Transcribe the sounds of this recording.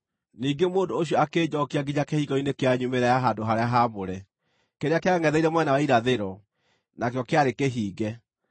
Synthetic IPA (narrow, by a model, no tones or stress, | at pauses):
niːɡemoːndoːɕ̬jɔakeːd͡ʑɔkiaɡiɲakehiɡɔinekeaɲumeɾajaɦadoɦaɾeaɦamoɾɛ | keɾeakeaŋɛðɛiɾɛmwɛnawaiɾaðeɾɔ | nakjɔkeaɾekeɦiːɡɛ